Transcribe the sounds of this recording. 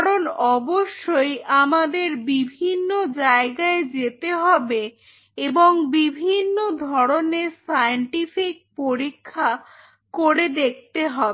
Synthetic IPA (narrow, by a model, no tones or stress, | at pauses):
kaɾonɔboʃːojʔamad̪eɾbibʱinːod͡ʑaeɡaed͡ʑet̪eɦɔbe | eboŋbibʱinːod̪ʱɔɽonesajɳʈifik̚poɾikʰːa | koɽed̪ek̚ʰt̪eɦɔbe